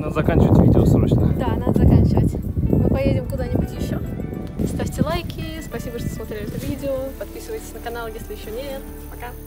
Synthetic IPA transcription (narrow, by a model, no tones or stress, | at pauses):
nad̪əzɐkanʲt͡ɕɪvətʲvʲḭdʲɪosmɨʂnə̰d̪anad̪əzɐkanʲt͡ɕɪvə̰tʲmɨpɐjedʲɪmkʊd̪anʲɪbʊtʲjɪɕːoɐst̪afʲtʲɪlˠajkʲʰɪspɐsʲibəʂt̪osmɐt̪ɾʲelʲɪɛt̪əvʲidʲɪopɐt̪pʲisɨvəjtʲɪ̥sʲnəkɐnalˠjesʲlʲɪjɪɕːonʲet̪ | pɐka